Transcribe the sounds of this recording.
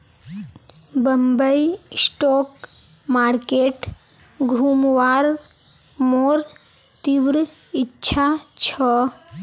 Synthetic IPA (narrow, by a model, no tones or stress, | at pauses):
bəmbəjsʈok | maɾkeʈ | ɡʱumʋaɾ | moɾ | t̪iʋɾ | itːt͡ʃʰat͡ʃʰɔ